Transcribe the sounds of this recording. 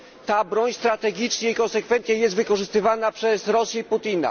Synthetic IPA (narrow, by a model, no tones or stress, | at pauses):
t̪abɾɔɲst̪ɾat̪ɛɡʲit͡ʂɲɛikɔnsɛkfɛnt̪sʲjɛjɛst̪vɘkɔʐɘst̪ɘvanapʂɛsɾɔsʲjɛiput̪ina̰